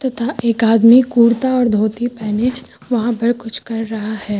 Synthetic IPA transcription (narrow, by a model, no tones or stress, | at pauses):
t̪ɐt̪ʰaʔeːkaːd̪mikuːɾt̪aɔːɾd̪ʱoːt̪ipɛːne | ʋɐɦãbɐɽkʊt͡ʃʰkɐɾːɐɦahɛː